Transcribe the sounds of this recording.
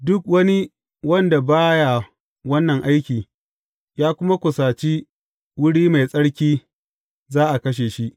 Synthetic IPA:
dʊ˦k̚wɐ˦ni˦ | wɐ˦nda˨baː˦ja˨ | wɐ˦nːɐ˨ŋʔa˦jkʲiː˨ | jaː˦kʷʊ˦ma˦kʷʊ˨saː˨t͡ʃi˦ | wʊ˦ɽiː˦ma˨jsʼɐ˦ɽkʲiː˦ | zaː˦ʔa˨kɐ˦ʃ̬eː˨ʃi˦ʔ

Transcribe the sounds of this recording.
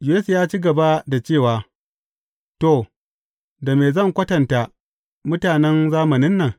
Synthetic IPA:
d͡ʒu˨e˦sjaː˦t͡ʃiː˦ɡɐ˨ba˦da˨t͡ʃeː˦˨waː˨ | to˦˨ | da˨meː˨zɐ˦˨ŋkʷɐ˦tɐ˨nta˨ | mʊ˦taː˨nɛ˦nzaː˦mɐ˨nɪ˦nːɐ˨ŋ

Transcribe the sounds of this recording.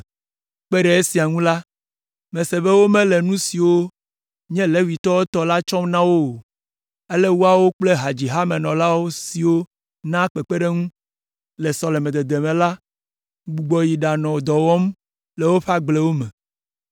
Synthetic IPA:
k͡pe˦ɖɛ˨e˦si˨a˨ŋũ˦la˦ | mɛ̃˨se˨βe˦wo˦mɛ̃˦le˨nũ˦si˨wo˦ | ɲɛ̃˦lɛ˦wi˨t̪ɔ˦wo˦t̪ɔ˨la˦t͡ʃɔ̃˦mnã˦wo˦˨ | e˦lɛ˦wu˦a˨wo˦k͡ple˦ɦa˨d͡ʑi˨ɦa˦mẽ˨nɔ̃˨la˦wo˦si˨wo˦ | nã˦k͡pɛ˨k͡pe˦ɖe˦ŋũ˦ | lɛ˨sɔ˨lɛ˨mɛ̃˨d̪e˨d̪e˨mɛ̃˨la˦ | ɡ͡bu˨ɡ͡bɔ˨ji˨ɖa˨nɔ̃˨o˨d̪ɔ˨wɔ˦m | le˨wo˦ɸa˦ɡ͡ble˦wo˦mɛ̃˨

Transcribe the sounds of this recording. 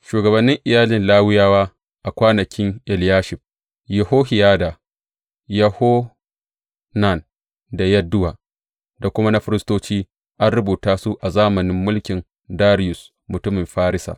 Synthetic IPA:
ʃuː˨ɡɐ˨bɐ˨nːɪ˦ŋʔɪ˨jaː˦lɪ˨nlaː˦wɪ˦jaː˦waː˦ | ʔa˨kʷaː˦nɐ˨kʲʰɪ˦ŋʔɪ˨ljaː˦ʃɪ˨ɸ | jɪ˨hoː˦hɪ˨jaː˦da˨ | jɐ˦hoː˦ | na˨n | da˨jɐ˦dʊ˦waː˨ | da˨kʷʊ˦ma˦na˦ɸɪ˦ɾɪ˦stoː˦t͡ʃiː˦ | ʔa˦nɽʊ˦buː˨taː˦su˦ʔa˨zaː˦mɐ˨nɪ˦mːʊ˦lkʲɪ˨n | daː˦ɾɪ˦jʊ˨s | mʊ˨tʊ˦mɪ˨mɸaː˦ɾɪ˦sa̰ː˨

